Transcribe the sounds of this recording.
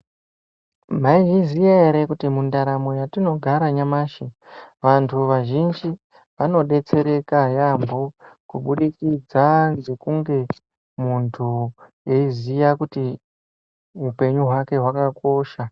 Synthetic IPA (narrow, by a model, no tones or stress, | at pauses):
m̤aiʒizijaeɾe̞kutimundaɾamo̞jatino̞ɡʱaɾaɲamaːʃiʋantʰuʋaʒind͡ʒi | ʋano̞ɗe̞t͡se̞ɾe̞kajambokuɓuɗikid͡zanze̞kuŋɡe̞ | muntʰujeizijakuti | ɦupe̞ɲuɦwake̞ɦwakako̞ʃa